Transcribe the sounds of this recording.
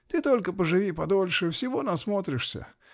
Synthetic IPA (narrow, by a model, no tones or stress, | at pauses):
t̪ɨt̪o̞lʲkəpəʐɨvʲipɐd̪o̞lʲʂɨfsʲɪvonɐsmot̪ɾʲɪʂsʲə̰